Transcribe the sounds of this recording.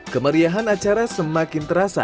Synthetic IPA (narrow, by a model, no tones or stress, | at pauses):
kəməɾiaɦanat͡ʃaɾasəmakɪnt̪əɾasa̰